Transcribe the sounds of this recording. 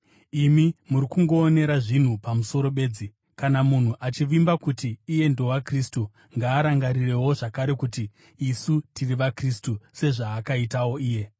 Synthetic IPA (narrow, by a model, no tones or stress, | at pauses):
imimuɾikuŋɡo̞ːne̞ɾaʐin̤upamuso̞ɾo̞ɓe̞d͡zi | kanamun̤uʔat͡ʃiʋimbakutiːje̞ndo̞wakristu | ŋɡaːɾaŋɡaɾire̞wo̞ʐakaɾe̞kutiː | sutiriʋakristuse̞ʐaːkaitawo̞iːje̞